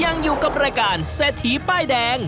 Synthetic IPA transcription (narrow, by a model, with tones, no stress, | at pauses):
ja˧ŋjuː˨˩ka˨˧˩p̚ɾaː˧jkaː˨˩nseː˨˩t̪ʰːiː˨˦paː˥˩jdɛː˧ŋ